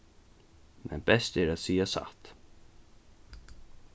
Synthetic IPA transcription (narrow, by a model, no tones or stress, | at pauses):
mɛ̰nbɛst̪ɛɾat̪siːasa̰t̪